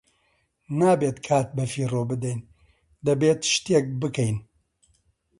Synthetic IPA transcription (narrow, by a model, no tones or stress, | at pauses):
naːbeːt̪kʰaːt̪̚bɐfiːroːbɨd̪ɛjn | d̪ɐbeːt̪ʃt̪ek̚bɨkɛjn